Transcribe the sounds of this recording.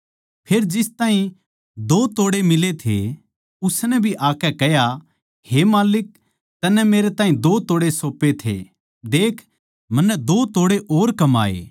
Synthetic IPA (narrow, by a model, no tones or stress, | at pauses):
pʰeːɾd͡ʒɪst̪aːɦĩ | d̪oːt̪oːɽemɪlet̪ʰḛ | ʊsnɛbʱiʔaːkɛkɛja | hemaːlɪk̚ | t̪ɐnɛmeːɾet̪aːɦĩd̪oːt̪oːɽesoːpet̪ʰḛ | d̪eːkʰ | mɐnːɛd̪oːt̪oːɽeʔoːɾkɐma̰ːḛː